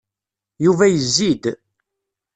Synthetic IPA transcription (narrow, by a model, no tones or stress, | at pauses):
juvæjəzːid̪